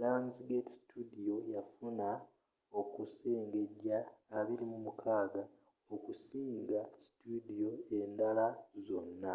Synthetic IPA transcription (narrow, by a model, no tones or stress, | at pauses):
laːnsiɡeti̥si̥tʰudio̞jafuna | o̞kuse̞ːŋɡe̞ɟaːβiɾimumukʰaːɡa | o̞kusiːŋɡasi̥tudio̞e̞ndalazo̞nːa